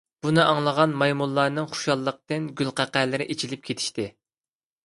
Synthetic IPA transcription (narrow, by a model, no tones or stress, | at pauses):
b̥unɨʔɑŋlˠəʁɑnmɑjmulˠːɑːnɨŋχu̥ʃɑlˠːəq̚t̪ɨnɡʲylˠqʰæqæːlɪɾɪʔet͡ʃʰilɪp̚kʲʰet̪ʰi̥ʃt̪ɪ